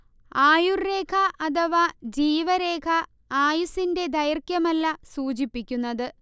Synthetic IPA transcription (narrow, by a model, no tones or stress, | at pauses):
aːjure̞ːkʰɐʔɐd̪ɐʋɐd͡ʑiːʋɐɾe̞ːkʰɐ | aːjusinde̞d̪ɐjɐrkjɐmɐlːɐsuːt͡ɕipːikʲːunːɐðɨ